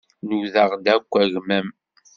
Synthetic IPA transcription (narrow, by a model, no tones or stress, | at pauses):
nuðəʁd̪ækʷːæʝmæm